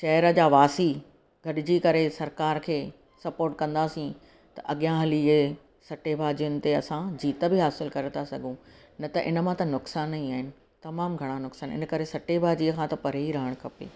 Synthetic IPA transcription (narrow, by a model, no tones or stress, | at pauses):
ʃɐːɾəd͡ʑaːʋaːsi | ɡʱɐɗɪd͡ʑikɐɾesɐɾkaːɾkʰeː | sɐpoːɾʈ̚kɐ̃nd̪aːsĩ | t̪ɐʔɐɠijãɦɐlie | sɐʈebʱaːd͡ʑiʊnɪ̆t̪eɐsãd͡ʑiːt̪əbɪɦaːsɪlkɐɾet̪ʰasɐɡʱũ | nɐt̪ɐʔɪnə̆mãt̪ɐnʊksaːnĩaːɦɪnɪ̆ | t̪ɐmaːmɡʱɐɽ̃anʊksaːnɪ̰nəkɐɾesɐʈebʱaːd͡ʑiəkʰãt̪ɐpɐɾeiɾɐɦəɽ̃kʰɐpḛː